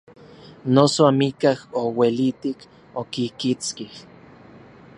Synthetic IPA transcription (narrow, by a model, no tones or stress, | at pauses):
nosoamikahowelit̪ik | okikit͡skih